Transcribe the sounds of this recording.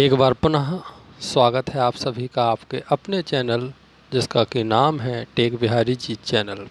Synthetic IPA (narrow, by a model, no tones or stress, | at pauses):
eːkbaːɾpʊnaɦswaːɡət̪ɦɛaːpsɐbʱikaaːpkeʔɐpnet͡ʃɛːnəl | d͡ʒɪskakinaːmɦɛʈeːkbɪɦaːɾid͡ʒit͡ʃɛːnəl